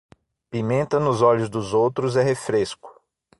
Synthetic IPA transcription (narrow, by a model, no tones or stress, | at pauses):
pimẽnt̪ɐnʊzɔʎʊzd̪ʊzowt̪ɾʊzɛɦefɾeskʊ̥